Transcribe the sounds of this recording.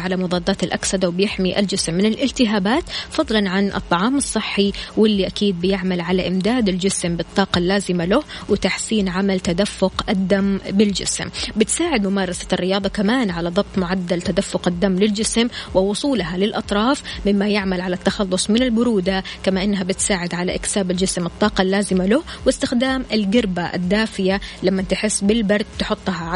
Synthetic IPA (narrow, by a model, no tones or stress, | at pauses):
ʕalamʊðˤɑːd̪ːɑːt̪ɪlʔaksad̪awɪbjɪħmiʔa̰ld͡ʒɪsmːɪnɪlʔɪlt̪ɪɦaːbaːt̪fɑðˤlɑnʕanʔɨ̰t̪ˤːɑʕɑːmɑsˤːɨħːiwɪlːiʔakiːd̪̚bɪjɪʕmalʕalaʔɪmd̪aːd̪ɪld͡ʒɪsmbɨt̪ˤːɑːqɑlːaːzɪmalʊhwɪt̪aħsiːnʕamalt̪ad̪afːʊqʔɪd̪ːambɪld͡ʒɪ̰smbɪt̪saːʕɪd̪mʊmɑːɾˤɑsarːɪjɑːðˤɑkamaːnʕalaðˤɑb̚t̪ˤmʊʕad̪ːalt̪ad̪afːʊqɪd̪ːamːlɪld͡ʒɪsmwɪwʊsˤuːlɦalɪlʔɑt̪ˤɾˤɑːfmɪmːajɪʕmalʕalat̪ːɑxɑlːʊsˤmɪnɪlbʊɾuːd̪akamaʔɪnːɦabɪt̪saːʕɪd̪ʕalaʔɪksaːbɪld͡ʒɪsmɨt̪ˤːɑːqɑlːaːzɪmalʊhwɪst̪ɪxd̪aːmɪlɡɪɾbaʔɪ̰d̪ːaːfɪjalamːant̪ɪħɪsːbɪlbɑɾˤd̪̚t̪ħʊt̪ˤːɦɑ